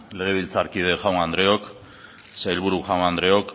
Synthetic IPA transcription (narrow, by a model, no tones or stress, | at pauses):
le̞ɣ̞e̞β̞ilt͡saɾkið̞e̞ʝawnand̪ɾe̞o̞k | sajlβuɾuʝawnand̪ɾe̞o̞k